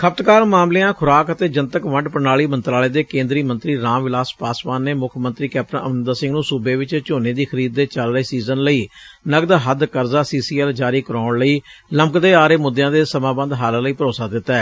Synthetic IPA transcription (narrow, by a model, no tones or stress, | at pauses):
kʰəp̚t̪kaːɾmaːmleːãːkʰʊɾaːkət̪eːd͡ʒənt̪əkʋəɳɖpəɳaːɭiːmənt̪ɾaːleːd̪eːkẽːnd̪ɾiːmənt̪ɾiːɾãːmʋɪlaːspaːspaːnːeːmʊkʰmənt̪ɾiːkɛːp̚ʈənə̰mnənd̪aːsɪ̃ŋɡnũːsuːbeːʋɪt͡ʃt͡ʃoːneːd̪iːkʰəɾiːd̪̚ːeːt͡ʃəlɾeːsiːzənləiːnəɡd̪aːɦəd̪kəɾzaːsiːsiːɛld͡ʒaːɾiːkəɾaːɳləiːləmkd̪eːaːɾeːmʊd̪jãːd̪eːsəmãːbə̃nd̪ɦaːlləiːpəɾoːsaːd̪ɪt̪ːaɛː